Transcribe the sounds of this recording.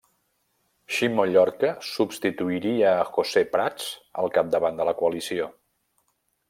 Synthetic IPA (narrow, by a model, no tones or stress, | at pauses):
ʃimoʎɔɾkəsupst̪it̪uiɾiəːxosepɾat͡sə̰lˠkap̚d̪əβand̪ələkuəlisio